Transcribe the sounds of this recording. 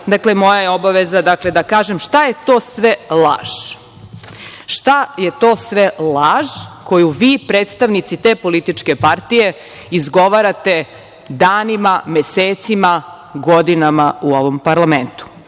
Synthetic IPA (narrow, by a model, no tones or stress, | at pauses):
d̪aklemo̞jajeobaʋezad̪akle̞d̪akaːʒemʃt̪ajet̪o̞ːsʋelˠa̰ːʒ̥ | ʃt̪ajet̪o̞ːsʋelaːʒko̞juʋiːpɾeːt̪st̪aʋnit̪sit̪e̞ːpo̞lit̪it͡ʃke̞paɾt̪ije̞ | izɡo̞ʋaɾat̪e̞ | d̪aːnimameseːt̪sima | ɡod̪inamauo̞ʋompaɾlˠament̪u̥